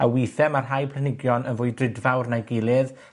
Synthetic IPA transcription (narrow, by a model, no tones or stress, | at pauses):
awijθɛmarɦajpʰlˠanɪɡjɔnənvʊɨdrɪdvawrnajɡɪlˠɪð